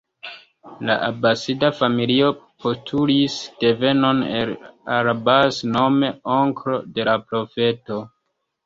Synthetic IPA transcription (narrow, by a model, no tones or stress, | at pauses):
la̰ʔabasidafamilio̞po̞stʰulisd̥e̞ve̞no̞nelaɾabasno̞me̞oŋkɾo̞de̞lapɾo̞fe̞to̞